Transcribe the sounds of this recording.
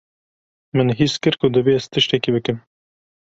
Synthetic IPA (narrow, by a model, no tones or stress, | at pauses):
mɨnɦiskɨɾkʊd̪ɨvest̪ʰɨʃt̪ɛkibɨkɨm